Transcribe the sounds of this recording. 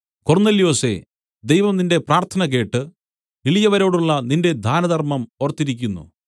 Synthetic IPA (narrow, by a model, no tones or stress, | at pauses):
kornelijo̞ːse̞̰ | d̪ejʋɐmninde̞praːrt̪ʰɐnɐk̬e̞ːʈːɨ | iɭijɐʋɐɾo̞ːɽuɭːɐninde̞d̪ʱaːnɐd̪ɐrmɐmorɐt̪ːiɾikʲːunːṵ